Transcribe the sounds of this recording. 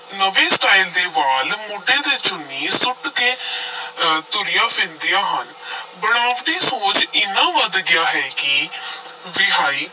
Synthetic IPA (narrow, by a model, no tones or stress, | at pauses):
nəʋẽːsʈaːild̪eːʋaːlmoːɖẽːd̪eːt͡ʃʊnːiːsʊʈkeː | t̪ʊɾɪjãːpʰɪ̃nd̪ɪjãːɦən | bəɽaːʋɖiːsoːt͡ʃɪnːãːʋəd̪ɡɪjaːɦɛːkɪ | ʋɪɦaːiː